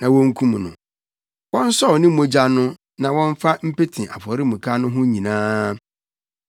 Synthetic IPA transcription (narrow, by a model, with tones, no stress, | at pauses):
nã˨wɔ̃˦ŋ̩˦kʰũ˦m˨nʊ̰̃˨ | wɔ̃˦n̩˦sɔ˦˨wnɪ̃˦m̩˦mo˦d͡ʑa˦nʊ̃˦ | nã˨wɔ̃˦ɱ˦fa˦m̩˦pe˦tʰĩ˨ʔa̰˨fɔ˨ɾɪ˦mũ˨kʰa˦nʊ̃˦ɦʊ̃˦ɲĩ˨nãː˦